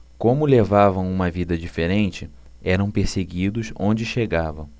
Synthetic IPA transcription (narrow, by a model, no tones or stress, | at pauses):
kõmʊlevavɐ̃w̃ũmɐvid̪ɐd͡ʒifeɾẽnt͡ʃɪ | ɛɾɐ̃w̃peɾseɡid̪ʊsõd͡ʒɪʃeɡavɐ̃w̃